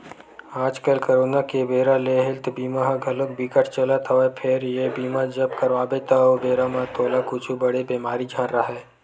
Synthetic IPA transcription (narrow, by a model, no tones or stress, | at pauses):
aːd͡ʒkəlkəɾoːnakebeːɾaleɦɪlt̪biːmaɦɡʱɐlʊk̚bikəʈʰt͡ʃələt̪ɦoepʰɪɾjebiːmad͡ʒɐbkɐɾʋaːbet̪aobeːɾamãt̪ʰoːlakʊt͡ʃʰubɐɽebeːmaːɾid͡ʒʱãːnɾɐɦɛː